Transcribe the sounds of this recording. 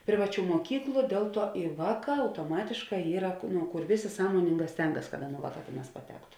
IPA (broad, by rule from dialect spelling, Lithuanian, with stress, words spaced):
ˈpʲrʲɪʋɐˌt͡ʃʲuː muɔˈkʲiːklˠʊ ˈdʲeːlˠ ˌtuɔ ɪ ˈʋɑːˌkɑː ɐʊtoːˈmɑːtʲeːʃˌkɑː ˈiːrɐ kʊ nʊ ˈkʊr ˈʋʲeːˌsʲeː ˈsɑːmoːnʲɪŋˌɡɑː ˈsʲtʲɛŋɡɐs kɐt ˈɑːˌnuː ˈʋɑːˌkɑː ˈtʲeːˌnɑːs pɐˈtʲæːktʊ